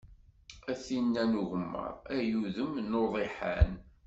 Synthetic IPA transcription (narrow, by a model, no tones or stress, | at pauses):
æθinːænuʝəmːə̰ɾˤæjuðəmnoðˤiħa̰n